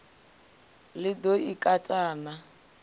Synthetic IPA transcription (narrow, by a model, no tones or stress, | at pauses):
lɪdoikʼatʼaːna